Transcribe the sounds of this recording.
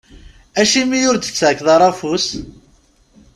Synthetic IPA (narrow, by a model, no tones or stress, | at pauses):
æʃimijʊɾd̪ə̥t͡sːʕəkːðˤɑɾˤɑfus